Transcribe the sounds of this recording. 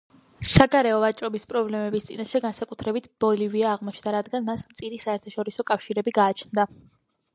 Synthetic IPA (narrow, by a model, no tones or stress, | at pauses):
saɡaɾɛɔvat͡ʃʼɾɔbispʼɾɔblɛmɛbist̪sʼḭnaʃɛɡansakʼut̪ʰɾɛbit̪ʰb̥ɔliviaːʁmɔt͡ʃʰnd̪aɾad̪ɡanmasmt̪sʼiɾisaɛɾt̪ʰaʃɔɾisɔkʼafʃiɾɛbiɡaːt͡ʃʰnd̪a